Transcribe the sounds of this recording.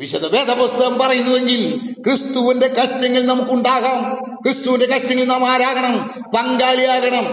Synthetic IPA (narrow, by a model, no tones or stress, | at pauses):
ʋiɕɐðɐʋeːd̪ɐpost̪ɐɐmpɐrɐjunːuʋe̞ŋɡilkrist̪uʋinde̞kɐʂtːɐŋːɐlnɐmukːuɳɖaːɣaːmkrist̪uʋinde̞kɐʂtːɐŋːɐlnaːmaːɾaːɣɐɳɐm | pɐŋɡaːlijaːɣɐɳɐm